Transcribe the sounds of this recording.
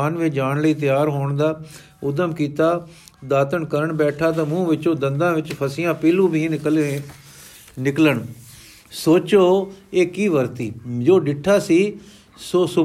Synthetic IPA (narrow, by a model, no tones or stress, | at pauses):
aːnʋeːd͡ʒaːɳləiːt̪əjaːɾɦoːɳd̪aː | ʊd̪əmkiːt̪aː | d̪aːt̪əɳkəɾəɳbɛːʈʰaːt̪ãːmũːʋɪt͡ʃõːd̪ənd̪ãːʋɪt͡ʃpʰəsɪjãːpeːlũːbʱiːk | nɪkləɳ | soːt͡ʃoːeːkiːʋəɾt̪iːd͡ʒoːɖɪʈʰːaːsiː | soːsʊ